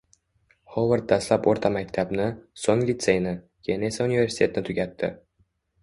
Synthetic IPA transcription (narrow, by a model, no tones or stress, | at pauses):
howərd̪̚d̪aslˠɑpoɾt̪ʰamæk̚ʲt̪ʰæbnɪsoŋlʲit̪sejnɪ | kʲenesaunʲivʲe̞rsʲi̥t̪ʰʲet̪ɪnɪt̪ʰʉɡʲæt̪ːɪ̰